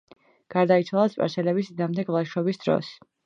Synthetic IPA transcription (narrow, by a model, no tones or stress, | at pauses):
ɡ̥aɾd̪ait̪sʰwalˠaspʼa̰ɾsɛlɛbisd̪amd̪ɛɡvlˠaʃɔbisd̪ɾɔ̰s